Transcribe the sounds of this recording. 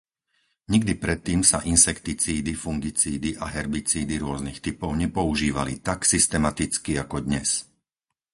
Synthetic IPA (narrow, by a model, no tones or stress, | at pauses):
ɲiɡd̪ipɾɛt̪ːiːmsaʔinsɛkt̪it͡siːd̪ifuŋɡit͡siːd̪iʔaɦɛɾbit͡siːd̪iɾʊɔznixt̪ipɔʊɲɛpɔuʒiːʋalit̪aksist̪ɛmat̪it͡skiakɔd̪ɲɛs